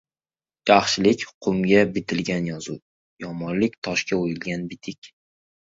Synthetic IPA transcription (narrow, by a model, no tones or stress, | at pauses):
d͡ʒaχʃɪlɪkʲqʰʊŋɡʲabɪt̪ʰɪlɡʲanjɒzu | jɒmɒnlɪkʲt̪ʰɒʃkʲaojɪlɡʲanbɪt̪ʰɪkʲ